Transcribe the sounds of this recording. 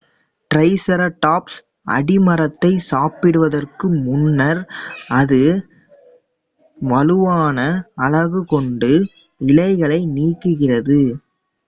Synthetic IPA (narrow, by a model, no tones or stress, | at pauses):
ʈrɐɪsɐɾɐʈːaːps | ʔɐ̰ɽɪmɐɾɐt̪ːɐɪsaːpɪɽɯʋɐðɐrkɯmʊnːɐɾɐðɯ | ʋɐlɯʋaːnɐɐlɐɣɯkɔɳɖɯ | ɪlɐɪɣɐɭɐɪniːkːɯɣɪrɐðɯ